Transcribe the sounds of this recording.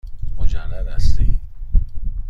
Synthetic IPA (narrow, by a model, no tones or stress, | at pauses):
mod͡ʒælːæd̪æst̪ḭː